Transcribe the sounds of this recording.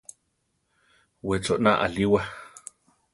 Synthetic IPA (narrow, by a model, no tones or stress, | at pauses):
wet͡soʔna̰ʔa̰liwa